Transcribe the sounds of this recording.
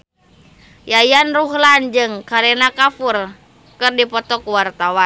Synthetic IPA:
jajanruɦland͡ʒɨŋkaɾɛnakafur | kɨrdipɔt̪ɔkuwart̪awa

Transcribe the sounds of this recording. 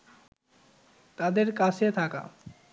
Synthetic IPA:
t̪ad̪eɾkat͡ɕʰet̪ʰaka̰

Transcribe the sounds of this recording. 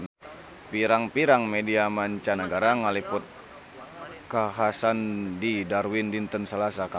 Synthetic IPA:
piɾaŋpiɾaŋmediamaɲt͡ʃanəɡaɾaŋalipʊt̪̚ | kaɦasandidarwindint̪ənsəlasaka

